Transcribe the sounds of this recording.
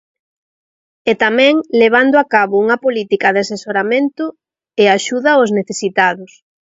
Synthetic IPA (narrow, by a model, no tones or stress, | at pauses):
et̪amɛ̃ŋleβ̞and̪ʊakaβʊuŋɐpolit̪ikɐðasesoɾamẽnt̪ʊ | eaʃuðɐozneθesit̪aðʊs